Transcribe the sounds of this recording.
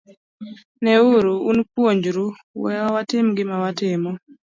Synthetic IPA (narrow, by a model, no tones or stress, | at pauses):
nɛuɾuunpwoɲd͡ʒɾu | wɛ̰awatɪmɡɪmawatɪmɔ